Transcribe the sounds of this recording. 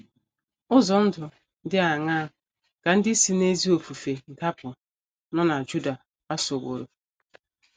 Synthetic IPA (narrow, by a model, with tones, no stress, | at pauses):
ʊ˦zɔ˨n̩˦dʊ˨ | n̩˦dɪ˦a˨ŋa˦ | ka˨n̩˦dɪ˦si˦ne˦zi˦o˨fu˨fe˨n̩˨ka˦pʊ˨ | nɔ˦na˨d͡ʒu˦da˨ | a˦so˨ɡʷo̰˨ɾo˨